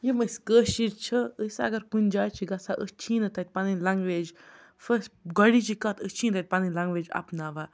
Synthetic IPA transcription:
jiməskəːʃiɾt͡ʃʰəəsɐ̰ɡɐɾkunʲd͡ʒaːjt͡ʃʰiɡɐsaʔəst͡ʃʰiːnɐt̪ɐt̪̚ʲpaninlaŋɡʋeːd͡ʒ | fəsɡɔɽit͡ʃikɐt̪ʰət͡ʃʰĩːnt̪ɐt̪̚ʲpaninlaŋɡʋeːd͡ʒa̰pnaːʋa

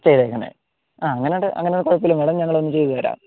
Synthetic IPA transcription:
t͡ɕejðɐjikːɐɳḛ | aːɐŋːɐneoɽɨʔɐ̰ŋːɐneoɽɨkoɻɐpːilumeɽɐmɲɐŋːɐɭonːɨt͡ɕe̞j̪uɣɐʋɐɾa̰ːm

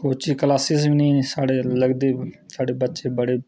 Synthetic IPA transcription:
koːt͡ʃiːkəlaːsɪs̬minĩːsaːɽeːləɡd̪eːsaːɽeːbətːʃeːbəɽeː

